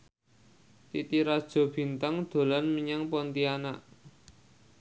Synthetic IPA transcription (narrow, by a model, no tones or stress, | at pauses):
t̪it̪iɾad̥ʒ̥ɔ̤b̥i̤nt̪aŋd̪̥o̤lanmiɲaŋpɔnt̪ianaʔ